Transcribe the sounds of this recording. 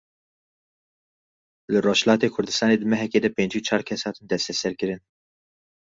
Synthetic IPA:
lɨroːʃhlɑːt̪eːkʰʊɾd̪ɨst̪ɑːneːd̪ɨmɛɦɛkeːd̪ɛpeːnd͡ʒiːt͡ʃʰɑːɾkʰɛshɑːt̪ɨnd̪ɛst̪ɛsɛɾkɨɾɨn

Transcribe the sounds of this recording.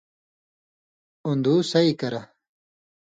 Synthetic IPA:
und̪usɐikɐɾɐ

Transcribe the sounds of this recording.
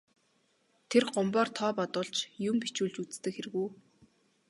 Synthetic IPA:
t̪ʰerɢʊmpɔːrt̪ʰɔːpɔt̪ʊːɮt͡ɕjʊmpit͡ɕuːɮt͡ɕut͡st̪ɘ̆kxeɾɘ̆ɣuː

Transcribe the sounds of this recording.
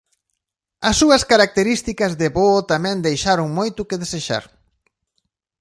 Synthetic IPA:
ɐsːuɐskaɾak̚t̪eɾist̪ikɐzðeβot̪amɛ̃nd̪ejʃaɾʊŋmojt̪ʊkeðeseʃa̰ɾ

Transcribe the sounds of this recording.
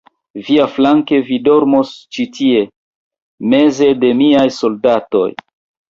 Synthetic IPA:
viaflaŋke̞vido̞ɾmost͡ʃitʰie̞ | me̞ze̞de̞miajso̞ldato̞̰j

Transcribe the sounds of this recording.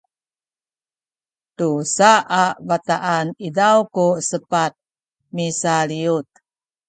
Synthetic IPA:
tusaʔavat̪aʔanidawkusəpat̪̚ | misaliut̪̚

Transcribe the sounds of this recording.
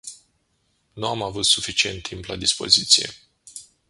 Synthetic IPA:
nuamavut̪sufit͡ʃie̞nt̪ʰːimplad̪ispo̞̰zit̪sijḛ

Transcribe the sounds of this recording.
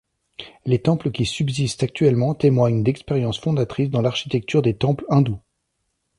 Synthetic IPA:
let̪ɑ̃pləkʲisybzist̪ak̚t̪ɥɛlmɑ̃t̪emwaɲd̪ɛkspeʁjɑ̃sfɔ̃d̪at̪χisd̪ɑ̃laʁʃi̥t̪ɛk̚t̪yʁd̪et̪ɑ̃plɛ̃d̪u

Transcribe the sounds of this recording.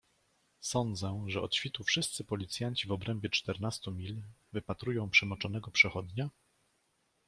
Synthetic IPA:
sɔnd̪zɛ̃ʐɛɔt̪ɕfʲit̪ufʂɘst̪sɘpɔlʲit̪sʲjaɲt͡ɕivɔbɾɛmbʲjɛt͡ʂt̪ɛɾnast̪umʲilvɘpat̪ɾujɔ̃w̃pʂɛmɔt͡ʂɔnɛɡɔpʂɛxɔd̪ɲa

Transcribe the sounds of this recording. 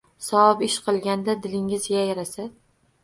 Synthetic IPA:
sɒbɪʃqʰɨlˠɡʲand̪ad̪ɪlɪŋɪzjajaɾasa

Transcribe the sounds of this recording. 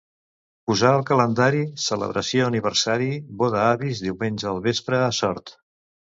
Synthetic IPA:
puzaəlˠkələnd̪aɾisələ̰β̞ɾəsjoəniβ̞əɾsaɾiβoðəaβizðiwmenʲd͡ʒəəlˠβespɾəːsɔɾt̪

